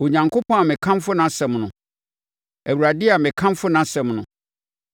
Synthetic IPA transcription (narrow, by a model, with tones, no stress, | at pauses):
o˨ɲã˨ŋkʰo˦pʰɔ̃˦a˨mɪ̃˨kʰã˦mfʊ˦nã˦sɛ̃˨mnʊ̃˨ | æ˨wu˨ɾa˨dɪ˦a˨mɪ̃˨kʰã˦mfʊ˦nã˦sɛ̃˨mnʊ̰̃˨